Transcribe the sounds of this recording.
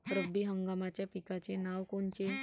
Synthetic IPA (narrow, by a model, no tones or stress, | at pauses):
t̪ɾəbːiɦəŋɡamat͡ɕjapikat͡ɕenaʋkont͡ɕe